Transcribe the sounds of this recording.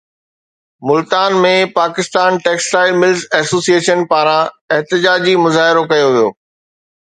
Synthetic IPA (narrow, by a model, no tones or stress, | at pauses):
mʊlt̪aːnmẽpaːkɪst̪aːnʈeːksʈaːɪlmɪlzɛːsoːsieːʃənpaːɾã | ɪɦt̪ɪd͡ʑaːd͡ʑimʊzaːɦɪɾokɐjoʋijoː